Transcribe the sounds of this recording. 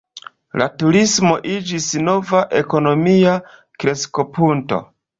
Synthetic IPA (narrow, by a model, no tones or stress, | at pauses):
latuɾismo̞ʔid͡ʒisno̞vaʔe̞ko̞no̞mia | kɾe̞sko̞punto̞̰